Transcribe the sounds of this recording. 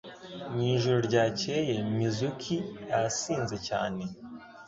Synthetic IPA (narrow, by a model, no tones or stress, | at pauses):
ɲiːʒuɾoɾɟaːce̞jemizukʰijasiːnze̞ca̰ːne̞